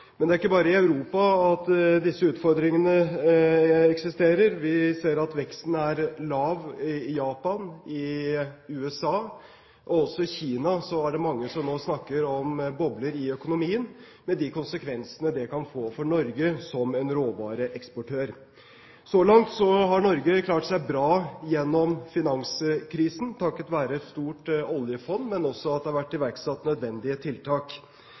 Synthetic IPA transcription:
mɛnd̪ɛæɾɪkːəbɑːɾəɪɑʉɾuːpɑɑt̪d̪ɪsːəʉːt̪fɔɾd̪ɾɪŋənə | ɛksɪst̪eːɾəɾʋɪseːɾɑt̪ʋɛkst̪n̩æɾlɑːʋjɑːpɑnɪ | ʉːɛsɑː | ʔɔɔsːɔɪçiːnɑsɔæɖɛmɑŋːəsɔmnoːsnɑkːəɾɔmbɔbləɾɪœkʊnʊmiːən | mɛd̪ɪkʊnsəkʰʋɛnsənəd̪ɛkɑnfoːfɔɳɔɾɡəsɔmɛnɾoːʋɑːɾəʔɛkspɔʈʰøːɾ | sɔlɑŋt̪sɔɦɑɳɔɾɡəkʰlɑːʈsæɪbɾɑːjɛnːɔmfɪnɑŋsəkʰɾiːsən̩t̪ʰɑkːət̪ʋæːɾəɛt̪st̪uːʈɔljəfɔndmɛnɔsːɔɑt̪̚d̪ɛhɑɾʋæʈːɪʋæɾksɑt̪ːnœd̪ʋɛnd̪ɪət̪ʰɪlt̪ʰɑːk

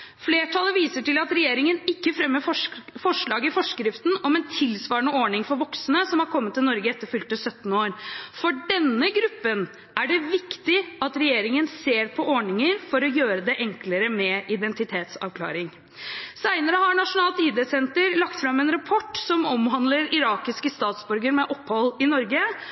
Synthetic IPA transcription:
fleːʈʰɑlːəʋiːsəʈɪlɑt̪ɾɛjeːɾɪŋənɪkːəfɾɛmːəfɔfɔʂɭɑːɡɪfɔʂkɾɪft̪n̩ɔmɛnt̪ʰɪlsʋɑːɾəɳəoːɳɪŋfɔɾʋɔksnəsɔmhɑɾkʰɔmːət̪ːɪlnɔɾɡəɛt̪ːəɾfʏlt̪ːɪlsœt̪ːn̩oːɾfɔɖɛnːəɡɾʉpːən | ʔæɖɛʋɪkt̪ɪɑt̪ɾɛjeːɾɪŋənseːɾpʰɔʔoːɳɪŋəɾfɔɾɔjøːɾəd̪ɛʔɛŋkləɾəmɛʔɪd̪ɛnt̪ɪt̪ʰeːt̪sɑ̰ʋkʰlɑ̰ːɾɪŋ | sæɪnəɾəhɑɾɳɑʂʊnɑːlt̪iːd̪ɛːsɛnt̪əɾlɑkt̪fɾɑmːɛnɾɑpʰɔʈːsɔmɔmhɑnd̪ləɾɪɾɑːkɪskəst̪ɑːt̪sbʉɾɡəɾmɛʔɔpːhɔlːɪnɔɾɡə

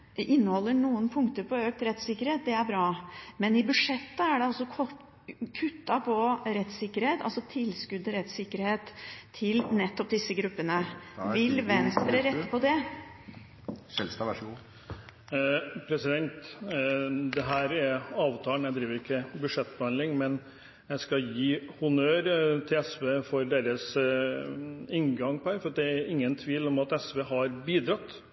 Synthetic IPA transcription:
ʔɪnːəhɔlːəɳuːənpʰʊŋkt̪əɾpʰɔøːk̚t̪ɾɛt̪sɪkːəɾheːt̪̚d̪ɛæɾbɾɑːmɛnɪbʉʂɛt̪ːəæɖɛɑlsɔɔ | kʰʉt̪ːɑpʰɔɾɛt̪sɪkːəɾheːt̪ʰɑ̰lsɔt̪ʰɪlskʉd̪əɾɛt̪sɪkːəɾheːt̪ʰːɪlnɛt̪ːɔp̚d̪ɪsːəɡɾʉpːənəʋɪlʋɛnst̪ɾəɾɛt̪ːpʰɔd̪ɛ | pʰɾɛsɪd̪ɛnt̪ | d̪ɛɦæːɾɛɾɑːʋt̪ʰɑːənjæɪd̪ɾiːʋəɾɪkʰːəbʉdʂɛt̪ːbəhɑnlɪŋmɛn | jæɪskɑjiːhʊnøːɾt̪ʰɪlɛsʋeːfɔɾɖ̪eːɾəs | ɪŋɡɑŋpʰɔhæːɾfɔɾɑt̪̚d̪ɛæɾɪŋːənt̪ʰʋiːlɔmɑt̪ɛsʋeːɦɑɾbiːd̪ɾɑt̪ː

